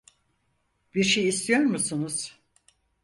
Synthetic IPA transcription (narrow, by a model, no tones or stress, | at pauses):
biɾʃejist̪ʰijo̞ɾmusunuz̥